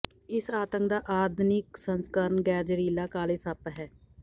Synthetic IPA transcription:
ɪsaːt̪əŋk̚d̪aːʔaːd̪nɪksənskəɾənɡɛːd͡ʒəɾiːlaːkaːleːsaːpəɦɛː

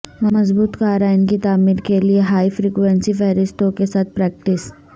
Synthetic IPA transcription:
ʋɐmɐzbuːt̪kaːɾaɪnkit̪aːmiːɾkelieɦaːifɾiːkʋɛ̃nsifɛːɾɪsʈ̪õkesaːt̪̚pɾɛːk̚ʈɪs

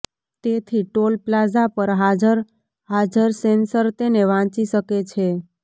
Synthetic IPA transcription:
t̪et̪ʰiʈolplad͡ʒapəɾɦad͡ʒəɾ | ɦad͡ʒəɾsensəɾt̪eneʋãt͡ʃiʃəket͡ʃʰe

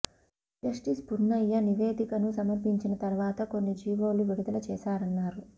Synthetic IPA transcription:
d͡ʒɐʂʈispuɾnːɐjːɐniʋeːd̪ikɐnusɐmɐɾpiɲt͡ʃinɐt̪ɐɾʋaːt̪ɐko̞nːid͡ʒiːʋo̞ːluʋiɽud̪ɐlɐt͡ʃɛːʃaːɾɐnːaːɾu

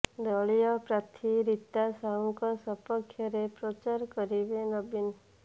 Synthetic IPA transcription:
d̪ɔɭijɔpɾat̪ʰiɾit̪ːasauŋkɔsɔpɔkʰːjɔɾepɾɔt͡ʃaɾkɔɾibenɔbin

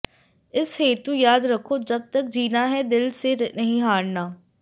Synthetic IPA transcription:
ɪsheːt̪ũːjaːd̪ɾəkʰːoːd͡ʒəb̚t̪əkd͡ʒiːnaːɦɛːd̪ɪlseːnəɦĩːɦaːɽnaː

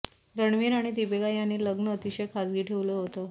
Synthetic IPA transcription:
ɾəɳʋiːɾaɽ̃id̪ibeɡajanːiːləɡnəːt̪iɕəjkʰad͡zɡiːʈʰeʋləɦot̪ə

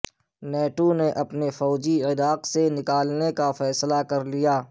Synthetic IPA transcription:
nɛːʈoneʔɐpnefɔːd͡ʒiɪdaːqsenɪkaːlnekafɛːslakɐɾlijaː

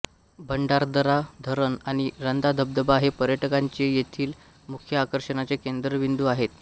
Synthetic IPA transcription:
bʱəɳɖaɾd̪əɾad̪ʱəɾənaɽ̃iɾənd̪ad̪ʱəb̚d̪əbaɦepəɾjəʈəkaɲt͡ɕejet̪ʰiːl | mukʰjəakəɾɕəɳat͡sekend̪ɾəʋind̪uaɦet̪

